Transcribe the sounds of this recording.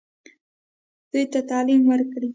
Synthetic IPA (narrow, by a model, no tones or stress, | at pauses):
d̪̥ujt̪at̪ɑlimwəɾkɽi